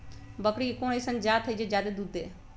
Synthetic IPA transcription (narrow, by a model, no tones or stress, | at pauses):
bəkɽiːkoːnisənd͡ʒjaːt̪ʰːəiːd͡ʒed͡ʒjaːd̪eːd̪uːd̪ḛː